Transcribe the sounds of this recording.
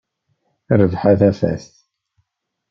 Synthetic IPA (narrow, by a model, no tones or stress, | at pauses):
rəvħaθæfæ̰sθ